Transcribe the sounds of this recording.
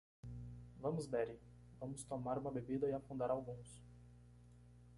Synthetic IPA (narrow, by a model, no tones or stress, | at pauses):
vɐ̃mʊzbɛɾi | vɐ̃mʊst̪omaɾũmɐbebid̪ɐɪafũnd̪aɾawɡũs